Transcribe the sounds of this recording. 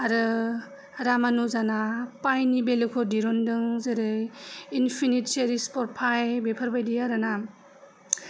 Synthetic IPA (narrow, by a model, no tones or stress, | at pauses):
aɾɯ | ɾamanuzanapajnibelɯkʰɔdiɾɔndɯŋzɯɾɯinpʰinit̚seɾispɔɾ̚pʰajbepʰɯɾbajdiaɾɯna